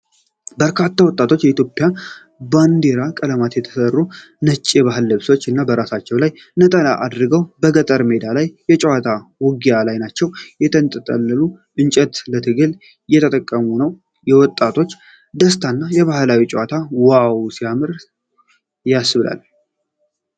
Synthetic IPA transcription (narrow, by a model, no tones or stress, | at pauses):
bəɾkʰat̪ʰːawɔt̪ʼːat̪ʰo̞t͡ʃːjɛit̪ʰjo̞pʼja | band̪e̞ɾakʼələmat̪jɛt̪ʰə̥sərːu | nət͡ʃʼːeβaɦɨlːɨβso̞t͡ʃːɨnːabəɾasat͡ʃːɛwlaj | nət̪ʼəlaʔad̪ɾɨɡəwbəɡət̪ʼəɾme̞d̪alajːɛt͡ʃʼɛwat̪ʰawɔɡijalajnat͡ʃːɛwjɛt̪ʰənt̪ʼət̪ʼə̰nːɨlu | ʔɨnt͡ʃʼɛt̪lət̪ʰɨɡɨl | jɛt̪ʰət̪ʼəkʼːəmunəw | jɛwɔt̪ʼːat̪ʰo̞t͡ʃː | d̪əst̪ʰanːajɛβahlawit͡ʃʼɛwat̪ʰawawsijamɨɾ | jasɨβɨla̰l